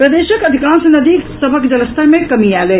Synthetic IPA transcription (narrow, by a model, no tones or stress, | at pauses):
pɾɐd̪eːʃəkɐd̪ʱikaːnsenɐd̪iːksəbʱəkd͡ʒɐləst̪ʰamẽkɐmiaːle